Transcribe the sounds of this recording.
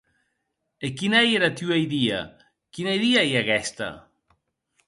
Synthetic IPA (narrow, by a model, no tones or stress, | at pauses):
ekinajeɾat̪ywejðia̰ | kinajðiajaɣɛst̪a̰